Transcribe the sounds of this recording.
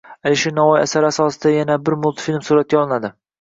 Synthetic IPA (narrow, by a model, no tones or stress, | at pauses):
alɪʃenavɒjasaɾasɒsɪd̪ajanabɪɾmʊlˠt̪filʲmsuɾat̪̚ɡʲaɒlˠɪnad̪ɪ